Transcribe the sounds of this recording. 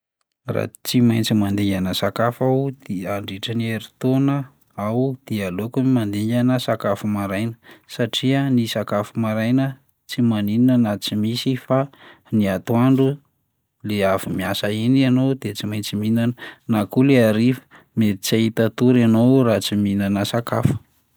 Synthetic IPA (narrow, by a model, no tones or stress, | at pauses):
ra̰t͡simajnt͡simand̪iɲanəsakafawd̪̥eaɳɖ͡ʐiʈ͡ʂənieɾit̪onə | awd̪̥ialokumand̪iɲanəsakafumaɾajnə̥saʈ͡ʂiənisakafumaɾajnə | t͡simanininənat͡simisifa | niat̪uaɳɖ͡ʐu | leavimiasəinianod̪et͡simajnt͡siminanənakuleaɾifə̥ | metit͡sait̪at̪uɾanowrat͡siminanəsakafə̥